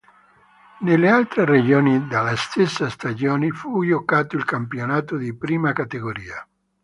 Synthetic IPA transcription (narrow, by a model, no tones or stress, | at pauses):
nelːealt̪ɾered͡ʒoːnid̪alːast̪esːast̪ad͡ʒoːnifujokaːt̪oilkampjonaːt̪od̪ipɾiːmakat̪eɡoɾiːa